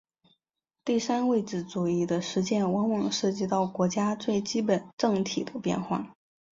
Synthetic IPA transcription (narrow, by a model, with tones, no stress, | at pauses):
t̪i˥˩sa˥nwe˥˩ɪʈ͡ʂɻ̩˥˩t͡su˨˩i˥˩d̪ə˧ʂɻ̩˧˥t͡ɕjɛ˥˩nwɑ˧˥ŋwɑ˨˩ŋʂɤ˥˧t͡ɕi˥˧t̪ɑ˥˩ʊkwɔ˧˥t͡ɕja˥t͡swe˥˩ɪt͡ɕi˥pə˨˩nʈ͡ʂɤ˥˩ŋt̪ʰi˨˩d̪ə˦pjɛ̰˥˧nxwa̰˥˩